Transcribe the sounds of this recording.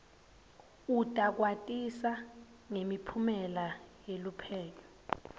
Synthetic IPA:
utʼak̬watʼisa | ŋemipʰumɛlajelupʰɛːlɔ

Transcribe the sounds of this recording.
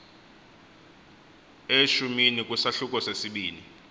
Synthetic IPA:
eʃuminik̬ʼwusaɬuk̬ʼɔsesiɓiːni

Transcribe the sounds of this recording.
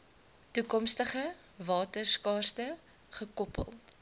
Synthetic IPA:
tukɔmstəχə | vɑːtərskɑːrstə | χəkɔpə̰lˠ

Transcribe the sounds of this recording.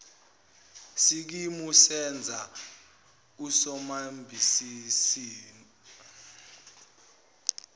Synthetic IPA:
sik̬imusɛnd͡zʱa | usɔmambʱisisiːn

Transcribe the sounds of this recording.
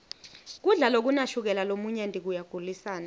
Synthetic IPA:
k̬uɮalok̬unaʃuk̬ɛlalomuɲɛndʱik̬ujaɡ̥ʱulisaːna

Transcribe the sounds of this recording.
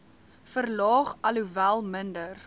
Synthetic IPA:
fərlɑːχɐluvælˠməndər

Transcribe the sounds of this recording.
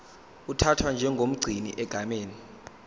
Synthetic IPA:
utʰatʰwand͡ʒʱɛŋɡʱom̩ɡ͡ǀʱinḭʔɛɡ̥ʱameːni

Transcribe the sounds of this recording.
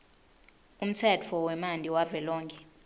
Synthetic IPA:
um̩t͡sʰɛt͡fʰɔwɛmandʱʼiwavɛlɔːŋkʰʼɛ

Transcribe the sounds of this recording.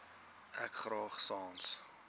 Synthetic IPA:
ɛkχɾɑːχsɑ̃ːns

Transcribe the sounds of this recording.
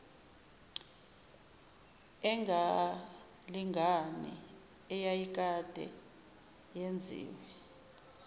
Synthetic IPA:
ɛŋʱa | liŋɡʱanḭ | ɛjajik̬ʼad̥ʱɛ̰ | jend͡zʱḭːwɛ

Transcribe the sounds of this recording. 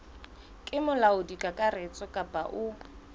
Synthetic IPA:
kʼɪmʊlaʊdikʼakʼarɪt͡sʼɔkʼapʼa̰ʔʊ

